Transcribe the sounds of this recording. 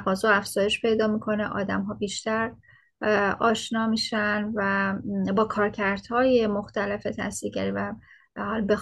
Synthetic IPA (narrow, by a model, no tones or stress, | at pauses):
ɣɒːzoæfz̥ɒːje̞ʃpʰe̞jd̪ɒːmiːkʰo̞neʔɒ̰ːd̪æmɦɒːbiːʃt̪æɾ | ɒːʃnɒːmiːʃænvæbɒːkʰɒːɾcʰæɾd̪̥hɒːjemoxt̪ælefe̞t̪ʰæ̰siːɾɟʲæɾiːvæ | hɒːlbe